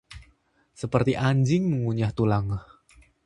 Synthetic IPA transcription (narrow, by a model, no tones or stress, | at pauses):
səpərt̪iʔaɲd͡ʒɪŋməŋuɲaht̪ulaŋ